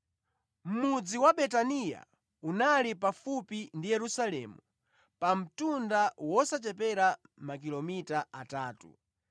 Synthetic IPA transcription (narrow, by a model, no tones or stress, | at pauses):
m̩mud͡ziwaɓɛtanija̰ | unalipafupindijɛɾusalɛ̰mu | pam̩tundawɔsat͡ʃɛpɛɾa | mak̬ilɔmitaʔataːtṵ